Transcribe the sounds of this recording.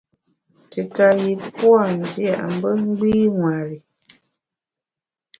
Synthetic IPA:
tɨ˨ka˨ji˨pwa˦˨n˨zja̰˦˨ʔm̩˨bə˦ŋ˦ɡ͡biː˦ŋwa˨ɾi˨

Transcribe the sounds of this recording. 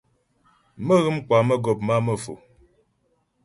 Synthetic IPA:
mə˦ɣɨ˦m˦ka˨mə˦ɡɔ˨p̚ma˦mə˦fo̰˨

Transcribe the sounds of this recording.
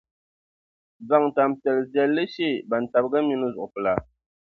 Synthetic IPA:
za˨ŋta˨mtɛ˨lɨ˨zjɛ˦lːɨ˦ʃe˦˨ba˨n̩˨ta˨bɨ˦ɡa˦mi˦nɨ˦zʊ˨ʔʊ˨pɨ˨la˨

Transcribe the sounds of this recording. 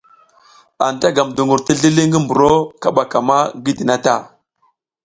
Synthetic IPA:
a˨n˨ta˦ɡa˨mdu˨ŋɡu˨ɾti˦ɮi˦li˦ŋɡi˦mbu˨ɾo˦ka˨ɓa˨ka˨ma˦ɡi˦di˨na˦ta˦˨

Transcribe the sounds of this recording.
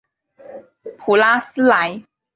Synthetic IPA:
pʰu˨˩la˦˥s̩˥la˨˦j

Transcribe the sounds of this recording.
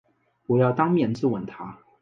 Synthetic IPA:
pu˨˧˥jɑ˥˩ʊt̪ɑ˥ŋmjɛ˨˩nt͡sɹ̩˥˩wə˨˩nt̪ʰa˧˥

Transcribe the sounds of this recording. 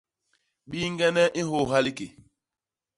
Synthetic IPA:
ɓi˦ŋ˦ɡɛ˦nɛ˦ʔi˦ɦo˦˨ɦa˦li˦ke˨

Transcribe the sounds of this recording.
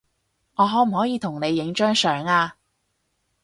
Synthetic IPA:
ŋɔː˨˧ɦɔː˨˥m̩˨˩hɔː˨˥jiː˨˧t̪ʰʊ˨˩ŋne˨˧jːɪ˨˥ŋt͡ʃœː˥ŋsœː˨˩ŋaː˧

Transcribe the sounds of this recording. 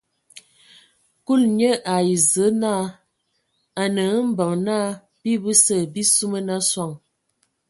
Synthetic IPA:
ku˦˨lɲə˦ʔa˨ji˨zə˨˦na˦˨ | a˨nə˨˦m̩˦bə˨ŋnaː˦ | b̥i˦bə˦sə˦˨bi˦su˦mə˦na˦swa˦˨ŋ

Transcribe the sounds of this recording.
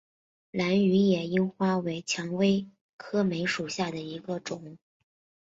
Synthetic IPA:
la˧˥ny˧˥jɛ˨˩i˥nxwa˥we˧˥ɪt͡ɕʰjɑ˧˥ŋwe˥ɪ | kʰɤ˥me˧˥ɪʂu˨˩ɕja˥˩d̪ə˩i˧˥ɡə˧ʈ͡ʂʊ˨˩˦ŋ

